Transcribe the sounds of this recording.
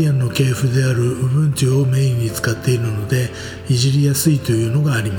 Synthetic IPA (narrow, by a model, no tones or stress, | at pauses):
ãnːo̞ke̞ːɸɯ̟d̪e̞aɾɯ̟ɯbɯ̟̃ɲ̟t͡ɕio̞me̞ːĩɲ̟ːit͡sɨ̥kat̪ːe̞iɾɯno̞d̪e̞ | iʑiɾʲijasɨit̪o̞jɯ̟ːno̞ɡaːɾʲima